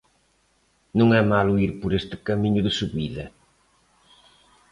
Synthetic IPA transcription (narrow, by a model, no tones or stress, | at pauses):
nũŋɛmaluiɾpʊɾest̪ɪ̥kɐmiɲʊðɪsuβiðɐ